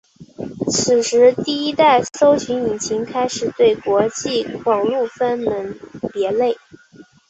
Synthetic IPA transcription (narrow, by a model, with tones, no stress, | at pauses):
t͡sʰɹ̩˨˩ʂɻ̩˧˥t̪i˥˩i˥t̪a˥˩ɪso˥ʊɕy˧˥ŋi˨˩nt͡ɕʰi˧˥ŋkʰa˥ɪʂɻ̩˨˩t̪we˥˩ɪkwɔ˧˥t͡ɕi˥˩kwɑ˨˩ŋlu˥˩fə˥nmə˧˥npjɛ˧˥le˥˩ɪ